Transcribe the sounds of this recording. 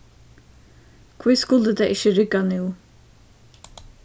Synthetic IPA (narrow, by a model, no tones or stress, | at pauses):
kʰviðskʊld̪əd̪ɛʔɪçəɾɪɡanuw